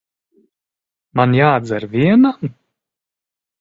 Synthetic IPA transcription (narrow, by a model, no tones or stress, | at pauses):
manjaːd̪zaɾvʲiɛnam